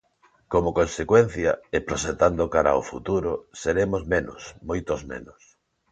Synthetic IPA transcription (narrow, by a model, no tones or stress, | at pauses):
komokonsekwen̟θjɐ̰epɾoʃet̪and̪okaɾa̰ofṵt̪uɾʊseɾemozmeno̰smojt̪ozmḛnʊs